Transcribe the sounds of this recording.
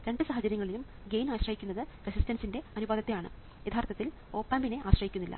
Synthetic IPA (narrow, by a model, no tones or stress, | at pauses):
ɾe̞ɳɖɨsaɦɐd͡ʑɐɾjɐŋːɐɭilum | ɡe̞jnaːɕrɐɦikʲːunːɐðɨresistɐnsinde̞ɐnubaːd̪ɐt̪ːejaːɳɨ̰ | jet̪ʰaːrt̪ːɐt̪ːil | o̞ːpːaːmbine̞ʔaːɕrɐɦikʲːunːilːʔɐ̰